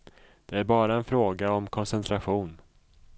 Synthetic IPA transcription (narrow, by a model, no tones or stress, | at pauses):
d̪̥ɛæɾbɑːɾaɛnfɾoːɡaɔmkʰɔnsɛnt̪ʰɾaɧuːn